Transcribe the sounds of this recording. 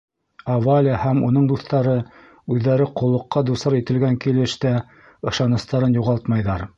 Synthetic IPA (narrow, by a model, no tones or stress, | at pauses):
ɐvalʲəhæmunɤɴd̪uθt̪ɑɾɤ | ʉðːæɾɘqŏlˠːɤ̆qːɑd̪usɑɾit̪ɘ̆lɡæŋkilɘ̆ʃt̪æ | ɤ̆ʃɑnɤ̆st̪ɑɾɤnjuʁɑlˠt̪mɑjðɑɾ